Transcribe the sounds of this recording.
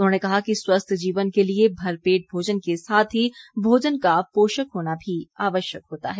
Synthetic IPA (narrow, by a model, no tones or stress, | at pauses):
ʊnɦõːnekɐɦakiswɐst̪ʰd͡ʒiːʋənkeliebʱɐɾpeːʈ̚bʱoːd͡ʒənkesaːt̪ʰɦibʱoːd͡ʒənkapoːʃəkɦoːnabʱiaːʋəʃjəkɦoːt̪a̰ɦɛː